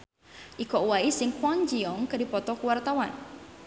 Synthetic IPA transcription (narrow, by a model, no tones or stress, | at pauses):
ʔikɔwaisɪŋkwɔnd͡ʒiɔŋkɨdipɔt̪ɔkuwart̪awan